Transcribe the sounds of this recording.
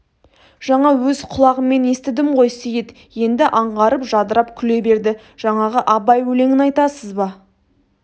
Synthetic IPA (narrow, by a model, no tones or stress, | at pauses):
ʒ̥ɑɴɑwɵzqʰʊlˠɑʁəmːe̞ne̞st̪ɪd̪ɪmqʰo̞jsejet̪ | je̞nd̪ɪʔɑɴʁɑɾəpʒɑd̪əɾɑpkʲʰʏle̞be̞ɾd̪ɪ | ʒ̥ɑɴɑʁəʔɑbɑjwɵle̞ŋɪnɑjt̪ɑsəzbɑ